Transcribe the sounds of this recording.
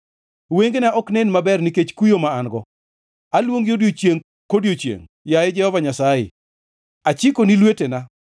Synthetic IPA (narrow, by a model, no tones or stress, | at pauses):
weŋɡenaʔɔknɛnmabɛrniket͡ʃkujomaanɡɔ | alwoŋjodjot͡ʃjeŋ | kodjot͡ʃjḛŋ | jajɛd͡ʒɛhɔvaɲasajɪ̰ | at͡ʃɪkonilwetena